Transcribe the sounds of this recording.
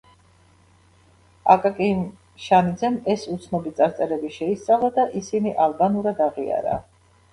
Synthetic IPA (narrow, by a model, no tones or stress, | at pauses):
a̰kʼakʼin | ʃanid̪zɛmɛsut̪sʰnɔbit̪sʼaɾt̪sʼɛɾɛbiʃɛist̪sʼalˠad̪aʔisiniʔalˠbanuɾad̪aʁia̰ɾa̰